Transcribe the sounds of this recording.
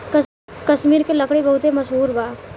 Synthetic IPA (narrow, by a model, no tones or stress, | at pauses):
k | kɐʃmiːɾkeləkɽibɐɦʊt̪emɐʃɦuːɾbaː